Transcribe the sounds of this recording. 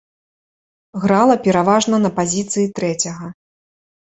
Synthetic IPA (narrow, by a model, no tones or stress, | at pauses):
ɣɾalˠɐpʲɛɾavaʐnɐnɐpazʲit̪sɨjit̪ɾɛt͡sʲɐɣɐ